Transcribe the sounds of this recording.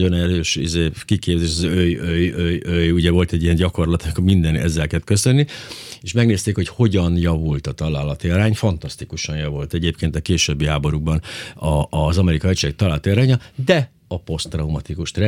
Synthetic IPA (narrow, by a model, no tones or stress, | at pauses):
o̞nɛɾøːʃḭzeːkikeːpzeːʃɔzøjøjøjøjuɟɛvo̞lt̪ɛɟːiɛɲɟɒko̞rlɒt̪ɒmikomind̪ɛnɛ̰zːɛlkɛt̪kø̞sønːieʃmɛɡneːst̪eːkho̞cho̞ɟɒnjɒvult̪ɒt̪ɒlaːlɒt̪iɒɾaːɲfɒnt̪ɒst̪ikuʃɒnjɒvult̪ɛɟeːpkeːnt̪ɒkeːʃøbːiɦaːbo̞ɾuɡ̚bɒnɒːzɒmɛɾikɒɛct͡ʃek̚t̪ɒlaːlt̪iɒɾaːɲɒd̪ɛ | ɒpo̞st̪rɒumɒt̪ikuʃt̪rɛ